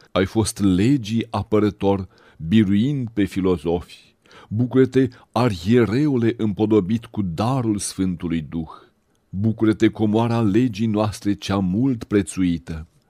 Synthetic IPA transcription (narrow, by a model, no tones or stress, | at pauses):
ajfo̞st̪le̞d͡ʒiapəɾət̪o̞r | biɾuind̪̚pe̞filo̞zo̞fʲ | bukuɾət̪e̞ | arjeɾe̞ule̞ʔɨmpo̞d̪o̞bit̪kud̪aɾulsfɨnt̪ulujd̪ux | bukuɾət̪e̞ko̞moaɾeale̞d͡ʒijnoast̪ɾe̞t͡ʃeamult̪pɾe̞t̪suit̪ə